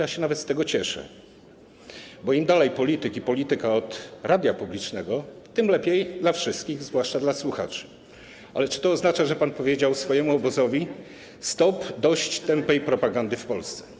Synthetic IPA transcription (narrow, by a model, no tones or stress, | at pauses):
jaɕɛnavɛt̪st̪ɛɡɔt͡ɕɛʂɛ̰ | bɔimd̪alɛjpɔlʲit̪ɘkʲipɔlʲit̪ɘkaɔt̪ɾʔad̪ʲjapublʲit͡ʂnɛɡɔt̪ɘmlɛpʲjejd̪lafʂɘst̪̚kʲiɣzvwaʂt͡ʂad̪laswuxa̰t͡ʂ | ʔa̰lɛt͡ʂɘ̥t̪ɔːznat͡ʂaʐɛpanpɔvʲjed͡ʑawsfɔjɛmuɔbɔzɔvʲi | st̪ɔpd̪ɔɕt͡ɕt̪ɛmpɛjpɾɔpaɡand̪ɘfpɔlst̪sɛ̥